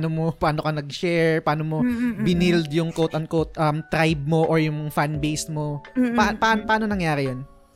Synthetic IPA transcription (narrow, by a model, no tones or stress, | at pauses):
nomopaːnokɐnɐɡʃɛɹpaːnomobɪnild̪jʊŋkowt̪ɐnkowt̪̚ʔɐmt̪ːɾajb̚moʔoɹjʊŋfanbejsmopapaanpɐaːnonɐŋjaːɾɛjon